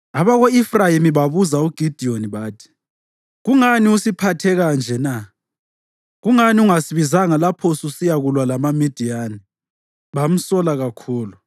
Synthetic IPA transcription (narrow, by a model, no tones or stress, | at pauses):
aβaɣoifrajimiβaβuzauɡ̥ʱid̥ʱioniβaːtʰi̥ | ɣuŋaniusipʰatʰɛɣand͡ʒʱɛna | ɣuŋaniuŋasiβizaŋalapʰɔsusijaɣulwalamamid̥ʱijaːni | βam̩sɔlaɣakʰuːlu